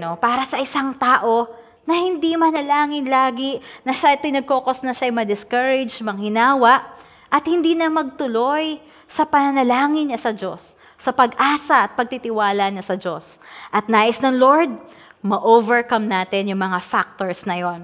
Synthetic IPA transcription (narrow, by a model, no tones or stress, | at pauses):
no̞paːɾɐsɐʔɪsaŋt̪aːʔo̞ | nɐhɪnd̪imɐnɐlaːŋɪnlaːɡɪnɐʃaʔɪt̪ojnɐɡ̚koːkosnɐʃaɐjmɐd̪ɪskɐɹɪd͡ʒmɐŋhɪnaːwɐʔ | ʔɐt̪̚hɪnd̪iːnɐmɐɡ̚t̪ʊlo̞j | sɐpɐnɐnɐlaːŋɪnɲɐsɐd͡ʒo̞̰sː | ɐpɐɡʔaːsɐʔɐt̪̚pɐɡ̚t̪it̪ɪwaːlɐɲɐsɐd͡ʒo̞sʔɐt̪̚naːʔɪsnɐŋlo̞ɹd̪̚ | mɐʔovɛɹkɐmnaːt̪ɛnjʊŋmɐŋafak̚t̪oɹsnɐjo̞n